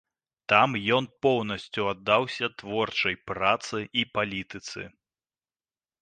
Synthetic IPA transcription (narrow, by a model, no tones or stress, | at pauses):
t̪amjɔnpɔwnɐsʲt͡sʲuad̪ːawsʲɐt̪vɔrt͡ʂɐjpɾat̪sɨʔipalʲit̪ɨt̪sɨ̰